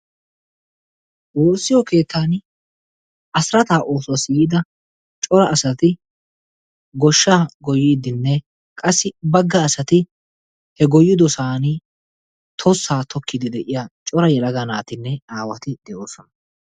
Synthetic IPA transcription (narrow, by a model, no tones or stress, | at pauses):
woːsːɪjɔke̞ːt̪ʰːaːn | ʔɐsɾɐt̪aːʔoːswɐsiːɪd̪ɐ | t͡ʃʼɔɾɐʔːsɐt̪ɪ | ɡɔʃːaːɡɔjːiːd̪ɪnːɛ | kʼɐsːɪbɐɡːɐːsɐt̪ɪ | hɛɡɔjːɪd̪ɔsaːnɪ | t̪ʰɔsːaːt̪ɔkːɪd̪ɪd̪ɛʔɪjat͡ʃʼɔɾɐjɛlɐɡɐnaːt̪ɪnːɛaːwɐt̪ɪd̪̥ɛʔo̞ːsɔnɐ